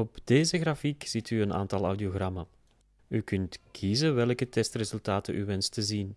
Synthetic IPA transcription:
ɔbdeːzəɣrafikz̥itʰyəna̰ːntɑlˠɐ̰wdioɣrɑma | ykʏntkʰizəʋɛlkətɛstrezɵlˠtaːtənʔyʋɛnstəzin

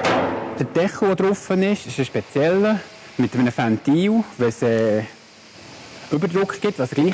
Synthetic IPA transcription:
d̥əd̥ɛχəvodɾʊfənɪʃɪʃəʃpɛt͡sjɛlːə | mɪtəmənəfantiːwvɛlsɛː | ʔʏbəɾdɾʊkχɡ̥ɪtvɑsɡliː

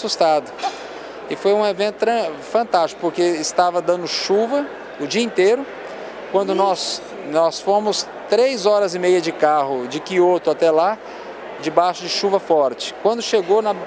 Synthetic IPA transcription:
sust̪ad̪ʊ | ɪfojũevẽnt̪ʊɾɐ̃fɐ̃nt̪aʃt͡ʃɪ̥kʊ̥poɾkeɪst̪avɐd̪ɐ̃nd̪ʊʃuvɐ | ʊd͡ʒiɐĩnt̪eɾʊ | kwɐ̃nd̪ʊnɔs | nɔsfõmʊs | t̪ɾejzɔɾɐzɪmejɐd͡ʒɪkaɦʊd͡ʒɪkiot̪ʊat̪ɛla | d͡ʒɪbajʃʊd͡ʒɪʃuvɐfɔɾt͡ʃɪ̥kwɐ̃nd̪ʊʃeɡonɐ

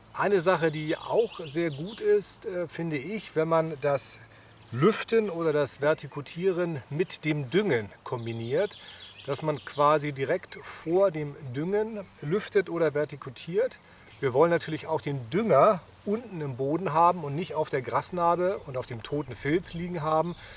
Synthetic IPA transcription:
ʔaɪnəzaχədiːa̰ʊxzeːɐɡuːtɪstːfɪndəɪçv̥ɛnmandas | lʏftənoːɾɐdasv̥ɛɐtʰikʰutʰiːʁ̞ənmɪtd̥eːmdʏŋənkʰɔmbiniːɐtd̥asmankv̥aːzidiʁɛktfoːɐdeːmdʏŋənlʏftətʔoːɾɐvɛɐtikʰutʰiːɐt | viːɐvɔlənːatʰyːɐlɪçaʊxd̥eːndʏŋɐ | ʔʊntn̩ɪmboːdn̩ɦaːbm̩ʊntnɪçtaʊfd̥eːɐɡʁasnaːbəʊntaʊfd̥eːmtʰoːtn̩fɛlsliːɡŋ̩ɦaːbm̩

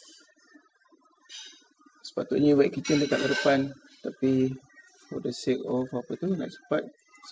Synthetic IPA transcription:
sə̥pat̪uʔ̚ɲawɛʔ̚kit̪əndət̪aʔ̚əɾəpan | t̪api | fɔ̰dəsikɔfapət̪una̰ʔsə̥pat̪̚ | s

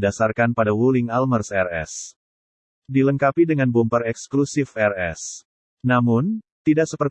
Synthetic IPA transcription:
dasarkanpadawulɪŋalmərsɛrɛ̰s | diləŋkapidəŋanbɔmpərɛksklusɪfɛrɛ̰s | namʊnt̪idaʔsəpərt̪

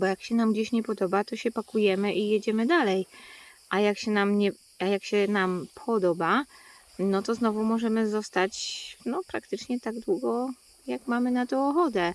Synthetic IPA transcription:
bɔjakɕɛnamɡd͡ʑeɕɲɛpɔd̪ɔbat̪ɔɕɛpakujɛmɘʔijed͡ʑɛmɘd̪alɛjʔajakɕɛnamɲɛ | ajakɕɛnampʰɔd̪ɔba | nɔt̪ɔznɔvumɔʐɛmɘzɔst̪at͡ɕnɔpɾakt̪ɘt͡ʂɲɛt̪aɡd̪wuɡɔ | jakmamɘnat̪ɔ̃ɔxɔd̪ɛ

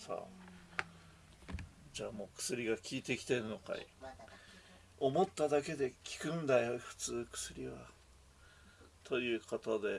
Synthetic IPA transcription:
sa̰ | d͡ʑaːmo̞ːkɯ̟̥sɨɾʲiɡakʲʰiːt̪e̞kʲi̥t̪e̞ɾɯ̟no̞ka̰ḭ | o̞mo̞t̪ːad̪ake̞d̪e̞kʲi̥kɯ̟̃nd̪ajo̞ɸɯ̟̥t͡sɨːkɯ̥sɨɾʲiβa | t̪ʰo̞jɯ̟ːkot̪od̪e̞

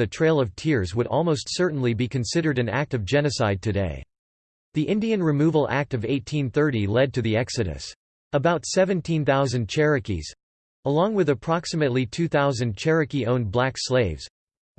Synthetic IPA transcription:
ɨtʰɹ̥eɪlˠʌv̥tʰɪɹzwəɾʔɔ̰lˠmoʊstsɜ˞ʔn̩libikʰɨ̃nsɪɾə˞ɾɨ̃næ̰k̚tʌvd͡ʒɛnɨsaɪd̚tʰɨdeɪ | ðiʔɪ̃ndiɨ̃nɹɨmuvl̩ˠæ̰k̚tʌveɪtʰĩnθɜ˞ɾilɛd̚tɨðiɛksɨɾɨ̰s | əbaʊtsɛvɨ̃ntʰĩnθaʊzɨ̃nt͡ʃʰɛɹɨkḭz̥ | əlɔ̃ŋwɨðɨpʰɹ̥ɑksɨmɨtˡlitʰʉθaʊzɨ̃nt͡ʃʰɛɹɨkiõʊ̃nblæksleɪvz̥

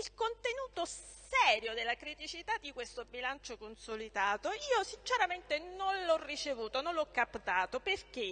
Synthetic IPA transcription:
ilkont̪enuːt̪o | sɛːɾjod̪elːakɾit̪it͡ʃit̪ad̪ːikwest̪obilant͡ʃokonsolid̪aːt̪oiːosint͡ʃeɾament̪enonlɔrːit͡ʃevuːt̪ononlɔkːapt̪aːt̪operk̟e

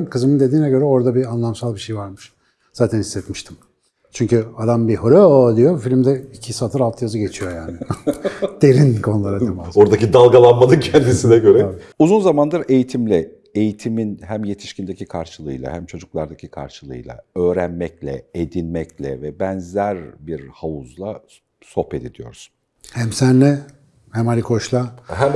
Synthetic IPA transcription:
kɯzɯmɯnd̪e̞d̪iːnɛɟø̞ɾɛo̞ɾd̪abianlˠamsalˠbiʃe̞jvaɾmɯʃ | z̥aːt̪ʰænhisːɛt̪miʃt̪ʰi̥m | t͡ʃʰyɲcyad̪ambiɦoɾod̪ijo̞filʲimd̪ɛicʰisat̪ʰɯɾalˠt̪ʰɯjazɯɡɟe̞t͡ʃʰijo̞jaːnɪ | d̪̥e̞ɾinkʰo̞nulˠaɾad̪emao̞ɾd̪acid̪alˠɡalˠanmanɯncʰænd̪isinɛɟø̞ɾɛauzunzamand̪ɯɾe̞jit̪ʰimlʲɛ | e̞jit̪ʰiminhæmje̞t̪ʰi̥ʃcind̪ecʰikʰaɾʃɯlˠɯjlˠa̰hæmt͡ʃʰo̞d͡ʒuklˠaɾd̪acʰikʰa̰ɾʃɯlˠɯ̰jlˠa̰ø̞ːɾænmɛclʲɛ̰ed̪inmɛclʲɛvɛbɛnzæɾbiɾhauzlˠa | so̞pe̞d̪id̪ijo̞̰ɾs | hæmsænːɛ | hæmalʲikʰo̞ʃlˠahæm

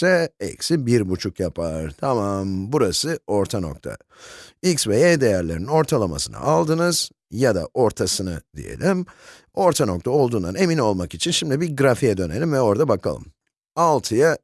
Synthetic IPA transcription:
sɛɛ̰csibiɾbut͡ʃʰukjapʰaɾt̪ʰamambuɾasɯo̞ɾt̪ʰano̞̰k̚t̪ʰa̰ | iksvɛed̪ejæɾlʲeɾnino̞ɾt̪ʰalˠama̰sɯna̰ʔalˠd̪ɯnɯz̥ | jad̪a̰ʔo̞ɾt̪ʰasɯnɯ̰d̪ḭjḛlʲim | o̞ɾt̪ʰano̞k̚t̪ʰao̞lˠd̪uːnd̪ane̞mino̞lˠmakit͡ʃʰinʃimd̪ibiɡɾafijɛd̪ø̞ne̞lʲimvɛo̞ɾd̪abakʰa̰lˠɯ̰m | alˠt̪ʰɯja

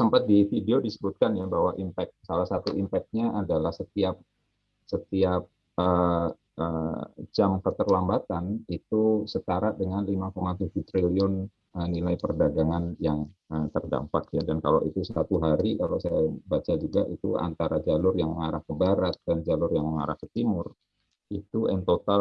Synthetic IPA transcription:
səmpat̪̚difideodisəbut̪̚kanjabaɦwaʔimpɛk̚t̪̚salahsat̪uʔimpɛk̚t̪̚ɲaʔadalahsət̪iap̚ | sət̪iap̚ | ə | əd͡ʒamkət̪ərlambat̪anit̪usət̪aɾat̪̚dəŋanlimakomat̪ud͡ʒut̪ɾiliʊn | ənilajpərdaɡaŋanjaŋət̪ərda̰mpak̚jadankala̰wʔit̪usəat̪uɦaɾikalawsajabat͡ʃad͡ʒuɡaʔit̪ṵa̰nt̪aɾad͡ʒalʊrjaŋməŋaɾahkəbaɾat̪̚dand͡ʒalʊrjaŋməŋa̰ɾahkə̥t̪imʊr | it̪uʔɛnt̪ot̪al

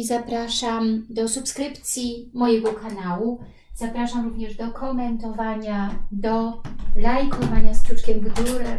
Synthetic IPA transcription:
zapɾaʂamd̪ɔsupskɾɘpt̪sʲjimɔjɛɡɔkanawu | z̥apɾaʂamɾuvɲɛʐd̪ɔkʰɔmɛnt̪ɔvaɲad̪ɔlajkuvaɲaspʂut͡ʂkʲɛmɡɡuɾɛ

